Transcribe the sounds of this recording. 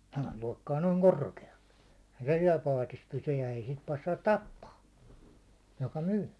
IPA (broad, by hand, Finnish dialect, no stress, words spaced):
sehæl loˑi̞kːɑː noːŋ korkeɑl̥ːe̥ eĭhæ se siɛl pɑːtis pysyj jɑ ei sit pɑsːɑːt tɑpːɑː jokɑ myː